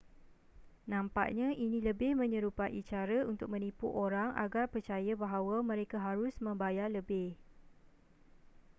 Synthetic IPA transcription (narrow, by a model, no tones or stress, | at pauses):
nãmpa̰ʔɲãʔinĩləbɪhmə̃ɲə̃ɾupaʔḭt͡ʃaɾəunt̪ʊk̚mə̃nĩpuʔoɾaŋʔa̰ɡarpərt͡ʃajabaɦawamə̃ɾekaɦaɾʊsmə̃mbajarləbɪh